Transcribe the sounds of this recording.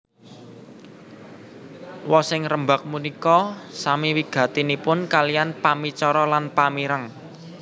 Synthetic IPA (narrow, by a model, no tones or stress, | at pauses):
wɔsɪŋrəmbak̚munikɔsamiwiɡ̥ä̤t̪inipʊnkalijanpamit͡ʃɔɾɔlanpamiɾəŋ